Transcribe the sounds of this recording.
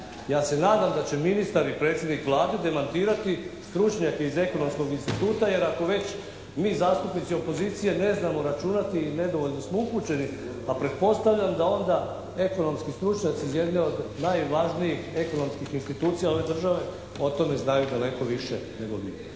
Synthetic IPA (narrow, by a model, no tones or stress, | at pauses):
jaːse̞naːd̪amd̪at͡ɕeminist̪aɾipɾe̞ːt̪sjed̪nikʋlˠaːd̪e̞d̪e̞mant̪iːɾat̪ist̪ɾut͡ʃɲake̞ize̞ko̞no̞msko̞ɡinst̪it̪uːt̪aje̞ɾako̞ʋe̞t͡ɕ | miːzaːst̪upnit̪sio̞po̞ziːt̪sije̞ne̞znamo̞ɾat͡ʃunat̪iːne̞d̪o̞ʋo̞ʎʲno̞smoupuːt͡ɕe̞ni | apɾe̞t̪̚po̞st̪aʋʎamd̪ao̞nd̪a | e̞ko̞no̞mskist̪ɾut͡ʃɲat̪sizje̞d̪nio̞d̪najʋaʒnijixe̞ko̞no̞mskixinst̪it̪uːt̪sijaoʋe̞d̪r̩ʒaʋe̞ | o̞t̪o̞me̞znajud̪ale̞ko̞ʋiʃene̞ɡo̞ɡḭ